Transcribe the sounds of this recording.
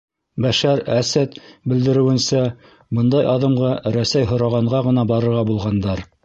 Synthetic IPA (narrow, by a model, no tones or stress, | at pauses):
bæʃæɾæsæt̪bɘ̆ld̪ɘ̆ɾɘ̆wɘ̆nsæ | bɤnd̪ɑjʔɑðɤ̆mʁɑɾæsæjɦŏɾɑʁɑɴɢɑʁɤ̆nɑbɑɾɤ̆ɾʁɑbulˠʁɑnd̪ɑɾ